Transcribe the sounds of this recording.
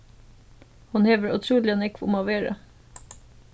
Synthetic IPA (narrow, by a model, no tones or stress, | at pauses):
hʊnheːʋəɹʉt̪ʰɾuːlɪənɛkʋʊ̰mɑʋeːɾə̰